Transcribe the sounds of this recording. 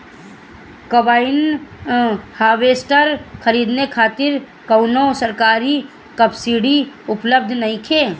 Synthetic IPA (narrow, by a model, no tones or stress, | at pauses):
kəbaːɪn | haːʋeːsʈəɾkʰəɾiːd̪nekʰaːt̪ɪɾ | kəʊnosəɾkaːɾi | kəpsiɽiʊpləb̚d̪ʱnɐɦĩkʰeː